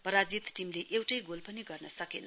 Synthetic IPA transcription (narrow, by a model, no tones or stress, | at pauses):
pʌɾad͡zit̪ʈimleʔewʈʌjɡolpʌniɡʌrnʌsʌkenʌ